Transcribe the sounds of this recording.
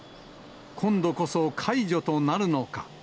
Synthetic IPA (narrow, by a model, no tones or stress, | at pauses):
kʰõ̞nd̪o̞ko̞so̞kʰaiʑo̞t̪o̞naɾɯ̟no̞ka